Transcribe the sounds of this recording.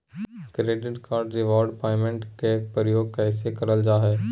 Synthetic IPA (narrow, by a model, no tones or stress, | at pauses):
kɾeːɖɪʈkaːɾɖɾɪʋɔːɾɖpaːɪmẽɳʈkek̚pɾəjoːɡ̚kɛːsekɐɾəld͡ʒaːɦɛː